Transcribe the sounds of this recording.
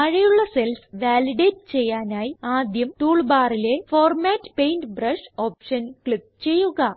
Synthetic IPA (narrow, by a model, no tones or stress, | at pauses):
ɐɻijuɭːɐse̞lsʋaːliɖeːtt͡ɕe̞jːaːnaːjiaːd̪jɐmtuːɭbaːrile̞fo̞ːrmaːtːpejntbrɐʂo̞ːpʂɐnkɭip̚ːt͡ɕe̞jːuɣɐ